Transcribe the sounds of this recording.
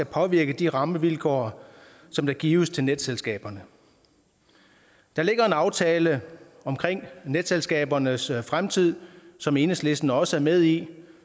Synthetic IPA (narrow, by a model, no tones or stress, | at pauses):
æpʰɒ̽ʋiɐɡ̥əd̥iʁɑ̈məʋilkʰɒ̰ɐ | sɒ̽md̥ɑ̈ɡ̥ḭːʊəst͡sʰe̝lned̥selsɡ̥ɛ̰ːb̥ɐnə | d̥ɑ̈le̝ɡ̥ɐe̝nɑ̈ʊt͡sʰɛːlə | ɒ̽mkʰʁeŋ̰ned̥selsɡ̥ɛ̰ːb̥ɐnəsfʁamt͡sʰið̞̰ˠsɒ̽me̝ːnəsle̝sd̥nəɒ̽səæɐmeð̞ˠi